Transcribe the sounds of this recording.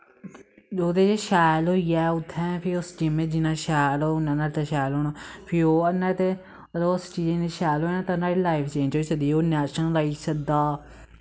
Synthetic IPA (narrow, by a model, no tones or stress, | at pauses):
d͡ʒoːt̪eːd͡ʒeːʃaːjlɦoːijaːʊt̪ʰːɛ̃ːpʰɪɾʊsd͡ʒɪmẽːd͡ʒɪnãːʃaːloːnãːnaɽt̪eʃaːlɦoːnaːpʰɪɾoːənːaːt̪e | loʊst͡ʃiːd͡ʒẽːneʃaːjlɦoːinãːt̪ãnaːɽiːlaːɪpʰt͡ʃẽːnd͡ʒoːiːsəd̪iːoːnɛːʃənlaːisəd̪aː